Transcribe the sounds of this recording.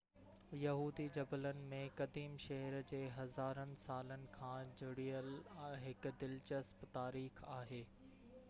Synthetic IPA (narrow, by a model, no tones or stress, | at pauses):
jɐɦuːd̪id͡ʑɐbələnɪ̆mẽkɐd̪iːmʃɐɦəɾd͡ʑeːɦɐzaːɾənɪ̆saːlənɪ̆kʰãːd͡ʑʊɽiəlɦɪkʊ̆d̪ɪlt͡ɕɐspt̪aːɾiːxaːɦeː